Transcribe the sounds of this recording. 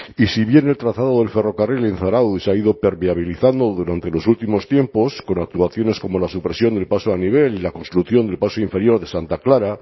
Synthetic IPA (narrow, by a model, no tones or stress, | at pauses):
isiβje̞ne̞lt̪ɾat̪aðo̞ðe̞lfe̞ro̞karilenθaɾawðisaiðo̞pe̞ɾmeaβ̞iliθand̪oðuɾant̪e̞lo̞sult̪imo̞st̪je̞mpo̞sko̞nak̚t̪uaθjo̞ne̞sko̞mo̞lasupɾe̞sjo̞nd̪e̞lpasoaniβ̞e̞lilako̞nst̪ɾuθjo̞nd̪elpasoiɱfe̞ɾjo̞ɾðe̞sant̪aklaɾa